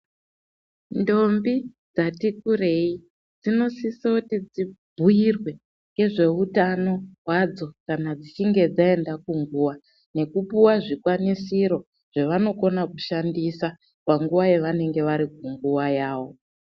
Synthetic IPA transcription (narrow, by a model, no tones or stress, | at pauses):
ndo̞mbi | d͡zatikure̞i | d͡zino̞sisautid͡zibʱujirwe̞ | ŋɡe̞ʐe̞utano̞ɦwad͡zo̞kanad͡zit͡ʃiŋɡe̞d͡zae̞ndakuŋɡuːʋa | ne̞kupuwaʐikwanisiɾo̞ | ʐ̥eʋano̞ko̞nakuʃandisa | paŋɡuʋajeʋane̞ŋɡe̞ʋaɾik̚uŋɡuʋajaːwo̞